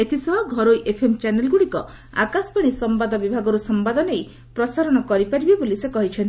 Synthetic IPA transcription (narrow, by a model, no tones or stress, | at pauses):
et̪ʰisɔbʱaɡʱɔɾojʔepʰemt͡ʃanelɡuɽikɔ | a̰kaspaɽ̃isɔmbad̪ɔbibʱaɡɔɾusɔmbad̪ɔnej | pɾɔsaɾɔɽ̃ɔkɔɾipaɾibibolisekɔɦit͡ʃʰɔnt̪i